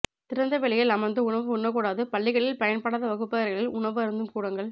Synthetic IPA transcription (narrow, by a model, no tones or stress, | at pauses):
t̪ɪɾɐnd̪ɐʋɛɭɪjɐlɐmɐnd̪ɯʊɳɐʋɯʊɳːɐkuːɽaːðɯpɐɭːɪɣɐɭɪlpɐjɐnpɐɽaːðɐʋɐɣɯpːɐɐɾɣɐɭɪlʊɳɐʋɯɐɾɯnd̪ɯmkuːɽɐŋɡɐɭ